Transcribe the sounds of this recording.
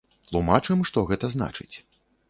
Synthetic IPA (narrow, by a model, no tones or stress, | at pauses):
t̪lˠumat͡ʂɨmʂt̪ɔɣɛt̪ɐzna̰t͡ʂɨt͡sʲ